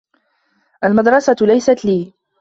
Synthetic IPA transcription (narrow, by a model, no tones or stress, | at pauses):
ʔalmɑd̪ɾˤɑsalajsat̪liː